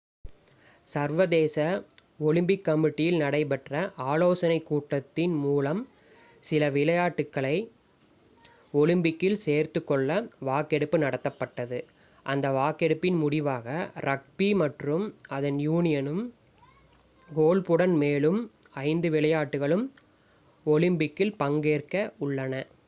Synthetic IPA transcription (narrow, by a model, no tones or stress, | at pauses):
sɐɾʋɐðeːsɐɔlɯmbɪkːɐmɪʈːɪjɪlnɐɽɐɪpɐʈrɐʔaːloːsɐnɐɪkːuːʈːɐt̪ːɪnmuːlɐm | sɪlɐʋɪlɐjaːʈːɯkːɐɭɐɪ | ɔɭɯmbɪkːɪlseːɾt̪ɯkːɔɭːɐʋaːkɛɽɯpːɯnɐɽɐt̪ːɐpːɐʈːɐðɯ | ʔɐnd̪ɐʋaːkɛɽɯpːɪnmʊɽɪʋaːɣɐɾʔɐk̚pimɐʈrɯmɐðɐnjuːnɪjɐnɯm | ɡoːlpɯɽɐnmeːlɯmɐɪnd̪ɯʋɪlɐjaːʈːɯɣɐɭɯm | ɔlɪmbɪkːɪlpɐŋɡeːrkɐʊɭːɐnɐ